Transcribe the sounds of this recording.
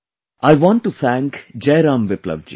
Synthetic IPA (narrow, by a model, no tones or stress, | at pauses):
aɪʋɔ̃ːɳʈːut̪ʰæ̃ːŋkd͡ʒeːɾãːmʋɪplə̰ʋd͡ʒḭː